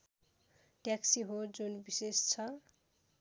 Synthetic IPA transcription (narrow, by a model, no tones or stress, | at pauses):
ʈjaksiɦod͡zunbisest͡sʰʌ